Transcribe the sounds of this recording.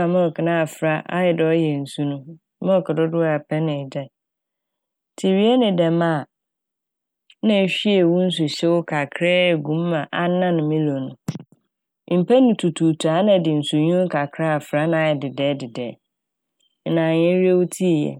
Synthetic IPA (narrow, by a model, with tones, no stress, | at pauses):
a˨mɔ̃˦ɔ˨kʰɪ˨nã˦a˨fɾa˦ʔa̰˦jɪ˨dɪ˨ɔ˦jɛ˨n̩˨su˦nʊ̃˦ | mɔ̃˦ɔ˦˨kʰɪ˨dʊ˦dʊ˦a˨pʰɛ˦nɪ̃˨d͡ʑa˦˨ | tʰi˨ɥi˦ɛ˦nɪ̃˨dɛ˨mã˦˨ | nã˦˨ɕᶣi˦e˨wʊ̃˦n̩˦s̬ʊ˨ɕɛ˦wʊ˦kʰa˨kʰɾɛ˦˨ɡũ˨˦mː˦ã˨ʔa˦nã˦nʊ̃˨mɪ̃˦lo˨nʊ̃˨˦ | m̩˨pʰɛ˦nʊ̃˨tʰu˨tʰu˨tʰu˨a˦nã˨dɪ˨n̩˨su˨ɲũ˦kʰa˨kʰɾa˦a˨fɾa˦nã˨a˨jɪ˨dɪ˨dɛː˨˦dɪ˨dɛː˨˦˨ | nã˨ɲɪ̃˦ɾi˦e˦wʊ˦tʰi˦e˨jɛ̰˨